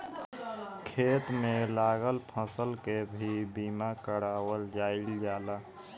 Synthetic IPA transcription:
kʰeːt̪melaːɡəlpʰəsəlkebʱibiːmakəɾaːwəld͡ʒaːild͡ʒaːla

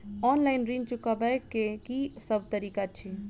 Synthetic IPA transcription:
ɔnlaɪnɾint͡ʃukabəjkekisəb̚t̪əɾikat͡ʃʰi

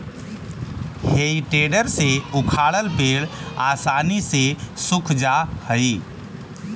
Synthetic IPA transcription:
heiʈeɖəɾseukʰaɽəlpeɽasanisesukʰd͡ʒahəɪ

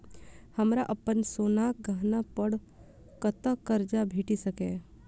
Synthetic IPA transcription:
həmɾaʔəpːənsoːnaːk̚ɡʱaɦnapəɽ | kət̪akəɾd͡ʒabʱeːʈisəkẽ

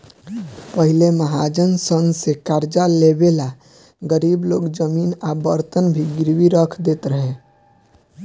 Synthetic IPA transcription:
pəɦɪleməɦaːd͡ʒənsənsekaːɾd͡ʒalebela | ɡəɾiːbloːɡd͡ʒəmiːnabəɾt̪ənbʱiɡɪɾwiɾəkʰd̪eːt̪ɾəɦe

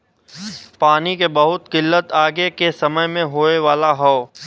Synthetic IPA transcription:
paːnikebɐɦʊt̪kɪlːət̪aːɡekesɐməjmẽɦoːeʋaːlaɦɔː

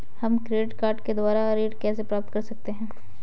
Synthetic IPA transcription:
hɐmkɾeːɖɪʈkaːɾʈked̪ʊwaːɾaɾeːʈkɛːs̬epɾaːp̚t̪kɐɾsɐk̚t̪eɦɛ̃ː

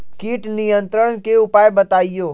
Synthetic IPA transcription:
kiːʈnijə̃nt̪ɾəɽ̃keʊpaːjbət̪aːijoː

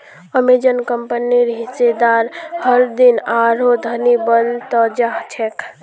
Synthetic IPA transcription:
əmed͡ʒənkəmpəniɾɦised̪aɾhəɾd̪inaɾod̪ʱənibənt̪əd͡ʒaɦt͡ʃʰɛkʰ

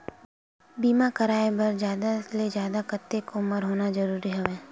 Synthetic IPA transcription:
biːmakɐɾaːebɐɾd͡ʒjaːd̪aled͡ʒjaːd̪akɐt̪ːekoməɾɦoːnazɐɾuːɾiɦɛʋẽː

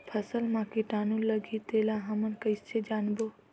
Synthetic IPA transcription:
pʰəsəlmãkiʈaːnũləɡʱit̪elãɦəmənkəjst͡ʃʰed͡ʒaːnbo

